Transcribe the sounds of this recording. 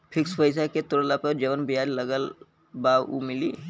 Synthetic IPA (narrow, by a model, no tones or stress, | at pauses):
pʰɪkspəɪsaket̪ʊɾəlapəɾd͡ʒəʋənbijaːɾləɡəl | baːwṵmɪli